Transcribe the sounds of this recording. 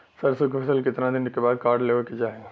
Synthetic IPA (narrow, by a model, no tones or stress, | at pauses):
sɐɾsʊkpʰɛsəlkɪt̪nãd̪ɪnkebaːd̪̚kaːɾɖleːʋeked͡ʒaːe